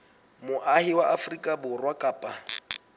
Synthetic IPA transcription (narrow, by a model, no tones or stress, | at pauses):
mʊʔahɪwaʔafrikʼabʊrwakʼaːpʼa